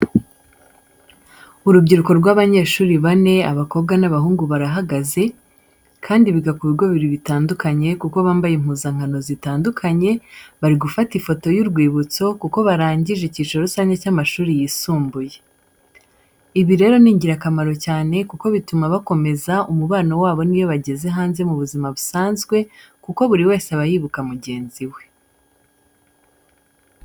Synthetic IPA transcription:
uɾubɟiɾuko̞ɾɡwaːβaɲe̞ːʃuːɾiβane̞a̰βako̞b̚ɡanaβaɦuːŋɡuβaɾaɦaɡaze̞ | kʰaːndiβiɡakuβiɡo̞βiɾiβitaːndukaɲe̞kuko̞βaːmbajem̥huːzaŋ̥hano̞zitaːndukʰaɲe̞βaɾiɡufatifo̞to̞juɾɡwiːβut͡so̞kuko̞βaɾaːɲɟiʒeciːt͡ʃoɾusaːɲɟecaːmaʃuːɾijiːsuːmbuje̞ | iβiɾe̞ːɾo̞niːɲɟiɾakamaɾo̞caːne̞kuko̞βitumaβako̞me̞zaumuβaːno̞waːβo̞nijo̞βaɟe̞ze̞ɦaːnze̞muβuzimaβusaːnzɡwe̞ | kuko̞βuɾiwe̞ːseaβajiːβukamuɟe̞ːnziwe̞

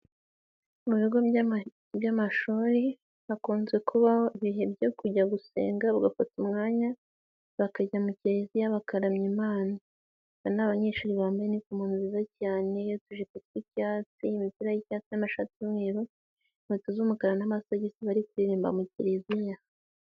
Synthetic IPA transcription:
muβiɡo̞ | βjamaʃuːɾe | βakuːnzɡe̞kʰuβahoiβiɦe̞bɟokuɟaɡuse̞̰ːŋɡaβuɡafatumŋaːɲa | βakaɟamuciɾezijaβakaɾamɲimaːna | βanaβaɲeːʃuɾiβaːmbajenikumuːnzizacaːne̞jotuʒekutkwicaːt͡simipiɾajicaːt͡sinamaʃat͡simŋiːɾu | motuzumukaɾanamasaɟisiβaɾikuɾiɾiːmba̰muciɾezija

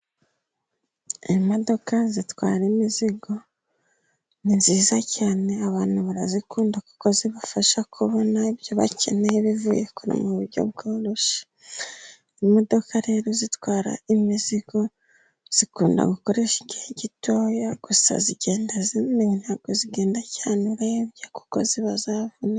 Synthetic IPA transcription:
imo̞do̞kazitwa̰ːɾemiziɡo̞ | ninziːzacaːne̞aβaːn̥huβaɾazikuːndaku̥ko̞ziβafaʃakʰuβonaibjo̞βa̰ce̞neeβivuːjekuɾḭmuβuɾɟo̞̰β̚ɡoːɾoʃḁ | imo̞do̞kaɾe̞ːɾo̞zitwaːɾa̰imiziɡo̞ | z̥ikuːnda̰ɡuko̞ɾe̞ʃiɡiheɟito̞ːjaɡ̥usa̰ziɟe̞ːndazininhaɡ̥oziɡe̞ːndacaːneɾaeβjaku̥ko̞ziβazavuna

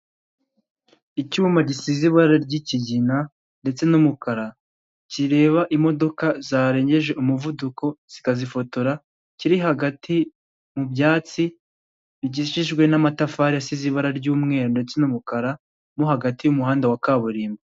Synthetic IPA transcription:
icuːmaɟisiziβaɾaɾɟiciɟina | nde̞t͡se̞numukaɾa | ciɾe̞ːβaʔimo̞do̞kazaːɾe̞ːɲɟe̞ʒe̞ʔumuvuduko̞z̥ikazifo̞to̞ɾa | ciɾiɦaɡatʰi | mubjaːt͡si | iɟiʃiʒɡwe̞namatafaːɾijasiziβaɾaɾɟuːmŋe̞ːɾonde̞t͡se̞numukaɾa | muɦaɡatijumuɦaːndawakaβuɾiːmbe

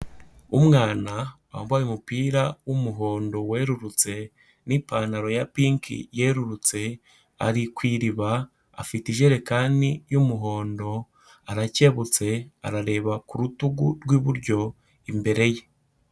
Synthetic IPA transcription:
umŋaːna | amβaːjumupiːɾawumuɦo̞ːndo̞we̞ːɾuɾut͡se̞ | nipaːnaɾo̞japiŋkḭje̞ːɾuɾut͡se̞ | a̰ɾikwiːɾiβa | a̰fitiʒe̞ɾe̞kaːndijumuɦo̞ːndo̞ | aɾace̞βut͡se̞a̰ɾaɾe̞ːβakuɾutuɡuɾɡwiβuɾɟo̞ | imbe̞ɾe̞je

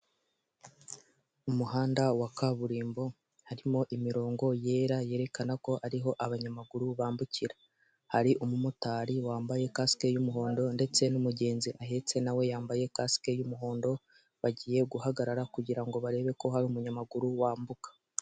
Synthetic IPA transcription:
umuɦaːndawakaβuɾiːmbo̞ | haɾimo̞ʔimiɾo̞ːŋɡo̞je̞ːɾaje̞ɾe̞kanako̞ʔaɾiɦo̞ʔaβaɲamaɡuɾuβaːmbuciɾa | haɾiʔumumutaːɾiwaːmbaje̞kaske̞jumuɦo̞ːndo̞nde̞t͡se̞numuɟe̞ːnziʔaɦe̞t͡se̞nawe̞jaːmbaje̞kaske̞jumuɦo̞ːndo̞ | βaɟiːje̞ɡuhaɡaɾaɾakuɟiɾaŋɡo̞βaɾe̞ːβe̞ko̞ɦaɾiumuɲamaɡuɾuwaːmbukḁ

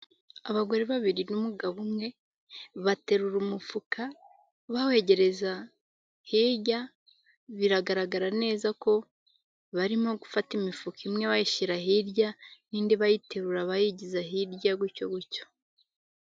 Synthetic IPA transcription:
aβaɡo̞ɾeβaβiɾinumuɡaβumŋe̞ | βate̞ɾuɾumufukʰa | βawe̞ɟe̞ɾe̞za | hiɾɟa | βiɾaɡaɾaɡaɾane̞ːzako̞ | βaɾimo̞ɡufatimifukimŋe̞βajiʃiɾaɦiɾɟaniːndiβajite̞ɾuɾaβajiɟizaɦiɾɟaɡwico̞ɡuco̥

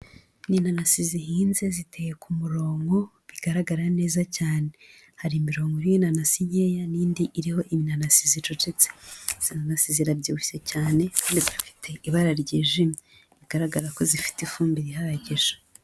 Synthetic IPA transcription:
niːnanasiziɦiːnze̞zitejekumuɾo̞ːŋɡo̞ | βiɡ̥aɾaɡaɾane̞ːzacaːne̞ | haɾimiɾo̞ːŋɡoɾijinanasiɲe̞ːjaniːndiʔiɾiho̞ʔiminanasizit͡ʃot͡ʃet͡sez̥inanasiziɾabɟiui̥secaːne̞kaːndizufi̥tʰe̞ʔiβaɾaɾɟeːʒimi | βiɡ̥aɾaɡaɾako̞zifi̥tifuːmbiɾiɦaɾaɟeʒḁ

